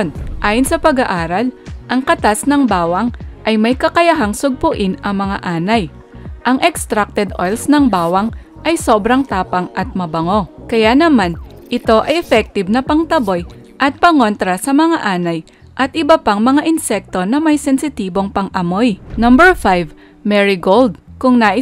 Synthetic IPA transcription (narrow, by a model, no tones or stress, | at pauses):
nʔaːjonsɐpɐɡɐʔaːɾɐlʔɐŋkɐt̪asnɐŋbaːwɐŋʔɐjmɐjkɐkɐjɐɦaŋsʊɡ̚pʊʔɪnɐŋmɐŋa̰ʔaːnɐj | ʔɐŋʔɛkst̪ɾak̚t̪ɛd̪ʔo̰jlsnɐŋbaːwɐŋ | ʔɐjso̞ːbɾɐŋt̪aːpɐŋʔɐt̪̚mɐbɐŋo̞kɐjanɐmanʔɪt̪o̞ʔɐjʔɛfɛk̚t̪ɪbnɐpɐŋt̪ɐbo̞j | ʔɐt̪̚pɐŋo̞nt̪ɾɐsɐmɐŋaʔaːnɐj | ʔɐt̪̚ʔɪbɐpaŋmɐŋaʔɪnsɛk̚t̪o̞nɐmɐjsɛnsɪt̪iːbo̞ŋpɐŋʔɐmo̞jnɐmbɛɹfajv | mɛɹɪɡold̪̚kʊŋnaːʔɪ